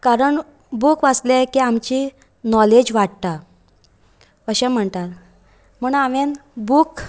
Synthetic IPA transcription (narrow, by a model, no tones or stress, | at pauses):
kaɾəɳ | bukʋat͡slekiamt͡ɕi | nɔled͡ʑʋaʈt̪a | əɕɛ̃m̤əɳt̪at̪ | m̤əːɳaʋenbuk